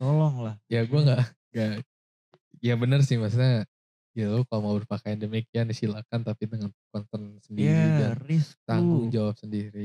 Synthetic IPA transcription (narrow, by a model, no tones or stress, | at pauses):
t̪olɔŋlahjaɡuɛŋɡaʔ | ŋɡa | jaŋbənərsɪhmas̬uɲa | ɡilukalomabərpakajandəmekianisilakant̪apidəŋankɔnt̪ərnsəndiɾid͡ʒarɪsk̚t̪aŋɡʊŋd͡ʒawap̚səndiɾi